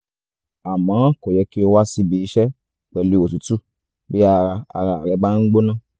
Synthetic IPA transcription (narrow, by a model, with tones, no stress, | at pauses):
a˨mãː˨˦kɔ˨jɛ˧ki˦o˧wa˦si˧bi˧˦i˧˦ʃɛ˦ | k͡pɛ˨li˨˧˦o˨tu˨˦tu˦˨ | bi˦a˧ɾa˧a̰˧ɾa˧a˨ɾɛ˨˧˦ba˦n̩˦ɡ͡bo˦nã˦˨